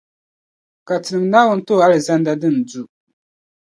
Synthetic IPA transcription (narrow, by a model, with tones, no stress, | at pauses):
ka˨tɨ˨nɨ˨mnaː˦wʊ˦n̩˦to˦˨a˦lɨ˨za˦nda˦dɨ˦˨n˨du˦˨